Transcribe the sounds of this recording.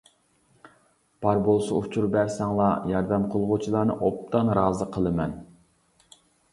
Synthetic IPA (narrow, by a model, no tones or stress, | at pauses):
b̥ɑɾbolˠsɑut͡ʃʰuɾbɛɾsɛŋlˠɑjɑɾd̪ɛmqʰolˠʁʊt͡ʃʰilˠɑːnɨ̰ʔop̚t̪ɑnɾɑːzɨqʰəlˠɨmɛn